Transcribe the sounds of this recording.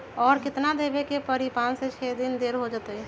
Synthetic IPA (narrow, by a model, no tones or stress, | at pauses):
ɔːɾkɪt̪nad̪ebekepəɾipãt͡ʃset͡ʃʰɛd̪ɪnd̪eɾɦod͡ʒat̪ə